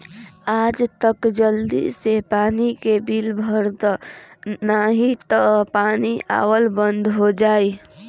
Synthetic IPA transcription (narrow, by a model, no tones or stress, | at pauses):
aːd͡ʒt̪əkd͡ʒəld̪ḭsepaːnikebilbʱəɾd̪ | naɦit̪əpaːnia̰ːwəlbə̃nd̪ʱɦod͡ʒaːiː